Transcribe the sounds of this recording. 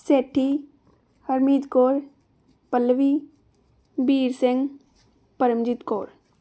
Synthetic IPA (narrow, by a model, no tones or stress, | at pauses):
seːʈʰːi | həɾmiːd̪koːɾ | pəlːəʋi | biːɾsɪŋɡ | pəɾəmd͡ʒɪt̪koːɾ